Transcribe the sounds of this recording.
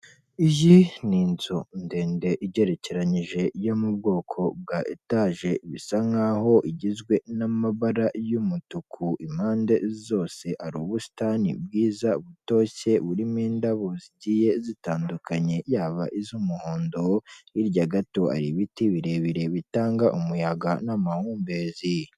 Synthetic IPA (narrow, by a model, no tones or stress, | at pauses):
iʒiniːnzonde̞ːnde̞ʔiɟe̞ɾe̞ce̞ɾaɲiʒe̞jo̞mubɡo̞ːkʰo̞b̚ɡaʔitaːʒe̞βisaŋaɦo̞ʔiɟizɡwe̞namaβaɾajumutukʰuʔimaːnde̞zo̞ːse̞ʔaɾuːβusi̥tanḭbɡiːzaβuto̞çe̞βuɾimiːndaβo̞ziɟiːje̞zitaːndukaɲe̞jaːβa̰ʔizumuhoːndo̞iɾɟaɡato̞a̰ɾiβitiβiɾe̞βiɾe̞βitaːŋɡaʔumujaɡanamahuːmbe̞ːzi